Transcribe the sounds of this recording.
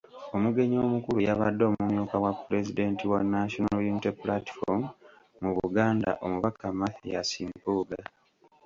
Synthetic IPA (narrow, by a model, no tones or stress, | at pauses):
o̞muɡe̞ɲo̞ːmukulujaβadːo̞ːmumjuːkawapːuɾe̞zide̞ntiwanaʃonajinteplati̥fo̰m | muβuɡaːnda̰ʔo̞muβakːamaθijasimpuːɡa